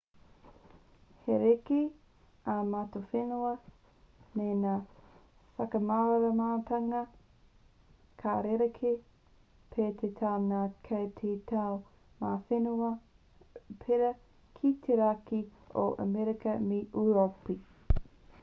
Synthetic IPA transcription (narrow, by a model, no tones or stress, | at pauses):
heɾeke | amatofenuɐ | menaː | fɐkɐmaɾɐɾɐmaːtʰɐŋɐ | kʰaɾeɾekʰe | pʰet̪ʰet̪ʰawnakʰɐjt̪ʰetʰaw | maːfenu | pʰeɾɐ | kʰit̪ʰeɾaki | o̰ʔɐ̰meɾekɐmiʔuɾopi